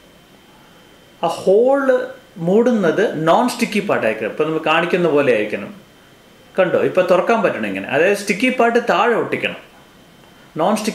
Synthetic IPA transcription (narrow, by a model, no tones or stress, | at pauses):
aːhoːɭɨmuːɽunːɐðɨnoːnsʈikʲːipːaːʈːaːjikːɨɐipːoːnɐmːɐkɨkaːɳikʲːunːɐpo̞ːle̞jaːjiɾikʲːɐɳɐ̰m | kɐɳɖo̰ːipːo̞ːt̪urɐkːaːmpɐtːuɳɐmeŋːɐ̰nḛʔɐ̰ðaːjɐðɨsʈikʲːipːaːʈːɨt̪aːɻɐoʈːikʲːɐɳɐ̰m | noːnsʈi